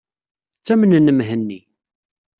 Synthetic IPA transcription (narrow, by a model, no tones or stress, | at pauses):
t͡sːæmənənːəmɦənːi